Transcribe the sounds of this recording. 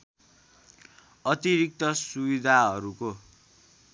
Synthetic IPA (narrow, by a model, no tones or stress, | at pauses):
ʌt̪iɾik̚t̪ʌsubid̪ʱaɦʌɾuko